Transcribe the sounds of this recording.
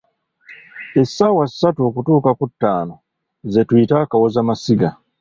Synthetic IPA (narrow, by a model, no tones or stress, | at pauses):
e̞sːaːwasːatuo̞kutuːkakutːaːno | ze̞twiːtaːkawo̞zamasiɡa